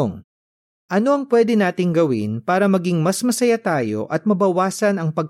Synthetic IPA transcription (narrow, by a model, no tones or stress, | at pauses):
ŋ | ʔɐno̞ɐŋpwɛd̪ɪnaːt̪ɪŋɡɐwɪ̰npaːɾɐmɐɡɪŋmɐsmɐsɐjat̪aːjo̞̰ʔɐt̪̚mɐbɐwaːsɐnɐŋpɐɡ̚